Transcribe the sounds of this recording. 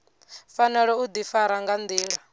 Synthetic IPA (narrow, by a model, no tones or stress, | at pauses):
fanɛɺɛud̪ifaɾaŋɡand̪iːɺa